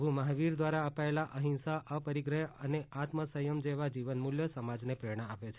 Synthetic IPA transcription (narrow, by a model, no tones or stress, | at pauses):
bʱuməɦaʋiɾd̪ʋaɾaəpaelaʔəɦĩnsaʔəpəɾiɡɾəjəneʔat̪məsəjəmd͡ʒeʋad͡ʒiʋənmuljəsəmad͡ʒnepɾeɾɽ̃əapet͡ʃʰ